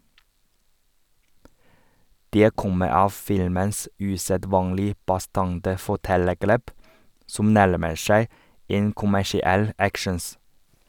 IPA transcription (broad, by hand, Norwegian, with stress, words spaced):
ˈdeː ˈkɔmə ˈɑːʋ ˈfɪlməns ʉsəˈdʋɑːŋlɪ bɑˈstɑŋtə fɔˈʈɛləˌɡɭeːp ˈsʊm ˈnæɭməɾ ˈʃæɪ ˈeːn kʊmæʃɪˈɛl ˈækʃɳ̩s